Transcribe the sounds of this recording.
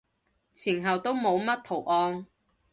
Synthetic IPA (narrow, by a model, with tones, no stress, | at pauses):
t͡sʰiː˨˩nɦɐ˨wt̪o˥wmo˨˧wmɐ˥t̚t̪ʰo˨˩wʔɔː˧n